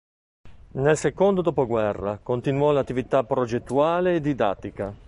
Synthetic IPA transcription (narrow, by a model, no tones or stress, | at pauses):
nelsekond̪od̪ɔːpoɡwɛrːa̰kont̪inwɔlat̪ːivit̪apːɾod͡ʒet̪ːuaːleːd̪ːid̪a̰t̪ːika